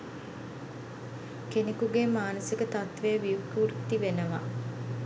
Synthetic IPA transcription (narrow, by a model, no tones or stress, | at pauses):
kenekuɡemaːnəsikət̪at̪ʋejəʋiukuːɾt̪iʋenəʋa̰